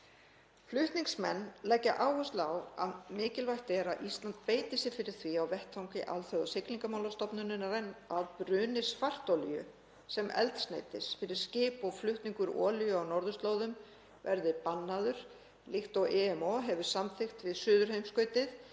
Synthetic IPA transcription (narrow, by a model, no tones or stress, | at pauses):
flʏht̪niŋksmɛ̰nːlɛcːaʔaːwhɔst̪lawa̰ðmɪːcɪlvajxt̪ɛɾaʔist̪lant̪̚peːjt̪ɪsɪfɪɾɪɾ̥θviawvɛht̪ʰawŋcɪʔa̰lθœðasɪkliŋkamawlast̪ɔpnʏnɪnaɾenaðpɾʏːnɪsfar̥t̪olɪjʏ̰ | sɛmʔɛ̰lt̪sna̰ːjt̪ɪsfɪɾɪɾ̥scɪːpɔɣflʏht̪niŋkʏɾɔ̰ːlʏjʏawnɔɾðʏst̪loːwðʏm | vɛɾðɪpanːaðʏɾ̥ | lixt̪ɔɣɛɛmoɦɛvʏ̥samθɪxt̪vɪðsʏːðʏɾ̥hejmskœɥt̪ɪð